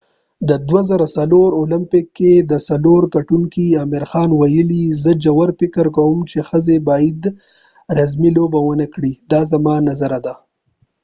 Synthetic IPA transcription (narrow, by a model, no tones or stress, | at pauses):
d̪əd̪wazaɾasaloɾolɪmpɪkːed̪əsaloɾkaʈuŋkiamɪɾxɑnwajəlizəd͡ʒawaɾfɪkəɾkawumt͡ʃexəzebɑjid̪ | ɾazmilobawənəkɽid̪ɑzamɑnazaɾad̪a